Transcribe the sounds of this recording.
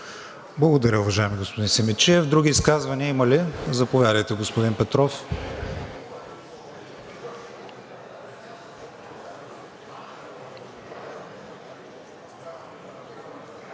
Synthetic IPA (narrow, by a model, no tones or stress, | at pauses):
blˠɐɡod̪ɐɾʲəʊvɐʒaɛmiɡospod̪insɛmɛt͡ʃɛvd̪ɾuɡ̟ʲiːskazvɐniəimɐlizɐpovʲjad̪ɐjt̪ɛɡospod̪inpɛt̪ɾɔf